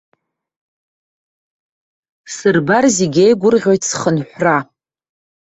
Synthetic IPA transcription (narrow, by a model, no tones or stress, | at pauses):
sɨrbarziɡʲejɡʷʊrʁʲo̞jtʰsχənħʷra